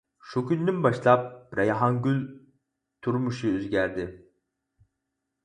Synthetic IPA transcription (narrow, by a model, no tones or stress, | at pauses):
ʃukʲʰynd̪ynbɑʃlˠɑp̚ɾajɑɦɑŋɡʲylʲ | t̪ʰuɾmuʃuøzɡʲæɾd̪ɪ